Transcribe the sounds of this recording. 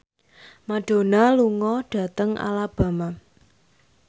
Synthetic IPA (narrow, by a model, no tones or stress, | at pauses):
maɖ̥o̤naluŋɔɖ̥ä̤t̪əŋʔa̰lab̥a̤ma